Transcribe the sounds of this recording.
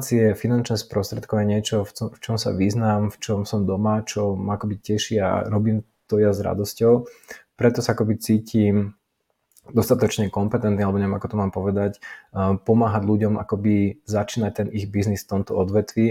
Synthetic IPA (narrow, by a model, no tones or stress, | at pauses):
t͡siɛfinant͡ʃnɛːspɾɔst̪ɾɛt̪̚kɔʊjɛɲɪɛt͡ʃɔfɔft͡ʃɔmsa̰ʋiznaːmft͡ʃɔmsɔmd̪ɔmat͡ʃɔmaakɔbicɛʃia̰ɾɔbiːm | t̪ɔjazɾa̰d̪ɔscɔʊpɾɛt̪ɔsaakɔbit͡siːciːm | d̪ɔst̪at̪ɔt͡ʃɲɛkɔmpɛt̪ɛnt̪nialɛbɔɲɛʋɛmakɔ̥t̪ɔmaːmpɔʋɛd̪acpɔmaːɦaɟluɟɔmʔa̰kɔbizat͡ʃiːnac̚t̪ɛniɣbiznisft̪ɔmt̪ɔɔd̪ʋɛt̪ʋiː